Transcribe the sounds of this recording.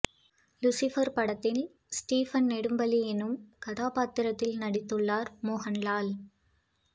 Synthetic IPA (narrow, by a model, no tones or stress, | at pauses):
lʊsɪfɐɾpɐɽɐt̪ːɪl | sʈiːfɐnnɛɽɯmbɐliɛnɯmkɐðaːpaːt̪ːɪɾɐt̪ːɪlnɐɽɪt̪ːɯɭːaːɾmoːɦɐnlaːl